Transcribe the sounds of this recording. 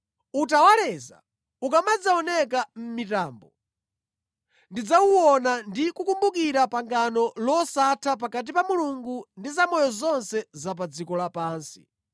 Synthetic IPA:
utawalɛza̰ | ukamad͡zaɔnɛk̬am̩mitaːmbɔ | ndid͡zawuwɔnandikukumbukiɾapaŋɡanɔlɔsatʰap̬akat̬ipamuluŋɡundizamɔjɔzɔnsɛzap̬ad͡zikɔlapaːnsi̥

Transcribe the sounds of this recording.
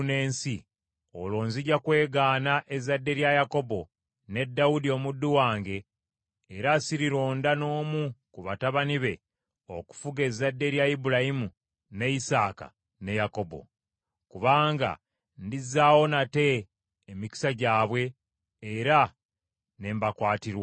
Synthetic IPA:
ne̞ːnsi | o̞̰lwo̞ːnziɟakwe̞ːɡaːnaʔe̞zadːe̞ɾjajako̞bo̞ | ne̞dːawudio̞mudːuwaːŋɡe̞ː | ɾasiɾiɾo̞ːndano̞ːmukuβataβaniβe̞ | o̞ku̥fuɡe̞zadːe̞ɾjaibuɾahimu | ne̞isaːka̰ | ne̞jako̞bo̞̰ | kuβaːŋɡa̰ | ndizːaːwo̞nate̞ː | mici̥saɟaːβwe̞ː | ɾa | ne̞ːmbakwaːtiɾwa

